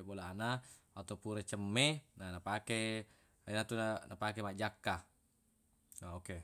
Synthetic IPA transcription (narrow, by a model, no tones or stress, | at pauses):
bolanawat̪ɔpuɾet͡ʃəmːenanapake | inat̪unanapakemaʔd͡ʒakːa | aoke